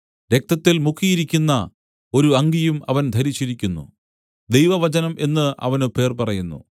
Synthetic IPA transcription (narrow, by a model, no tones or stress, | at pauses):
ɾe̞k̚t̪ɐt̪ːilmukʰːijiɾikʲːunːɐ | o̞ɾuɐŋɡijumɐʋɐnd̪ʱɐɾit͡ɕːiɾikʲːunːṵ | d̪e̞jʋɐʋɐt͡ɕɐnɐmʔe̞nːɨʔɐ̰ʋɐnɨpe̞ːrpɐrɐjunːṵ